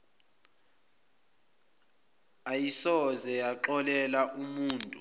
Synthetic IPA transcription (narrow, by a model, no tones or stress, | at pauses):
ajisɔzɛjaǁɔlɛlaʔumuːntʼu